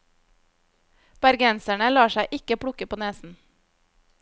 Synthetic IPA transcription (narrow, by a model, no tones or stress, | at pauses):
b̥æɾɡɛnsæɳəlɑːʃæɪʔɪkəpʰɽʊkəpʰoːneːsn̩